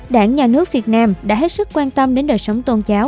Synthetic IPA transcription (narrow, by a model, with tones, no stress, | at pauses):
ɗa̰ː˧˩ŋɲaː˨˩nɨ˦˥ək̚vi˨˩ət̚naː˧mɗa̰ː˧˥ɦe˦˥t̚sɨ˦˥k̚kːwaː˧nt̪ə˧mɗe˨˦nɗəː˨˩jsə˨˦wŋ͡mt̪o˧nt͡ɕaː˨˦w